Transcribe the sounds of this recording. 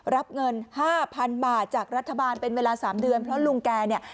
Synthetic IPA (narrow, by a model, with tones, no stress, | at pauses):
ɾa˦˥p̚ŋɤ˧nhaː˥˩pʰa˧nbaː˨˩t̪̚t͡ɕaː˨˩k̚ɾa˦˥t̪ʰːa˧baː˧npe˧nweː˧laː˧saː˩˦mdɯ˧ənpʰɾɔ˦˥lu˧ŋkɛː˧ni˥˩ɐ